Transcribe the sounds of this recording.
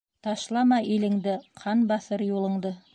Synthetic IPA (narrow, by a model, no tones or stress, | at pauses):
t̪ʰɑʃlˠɑmɑʔelɪ̆ŋd̪ɪqʰɑnbɑθəɾjolˠəɴd̪ə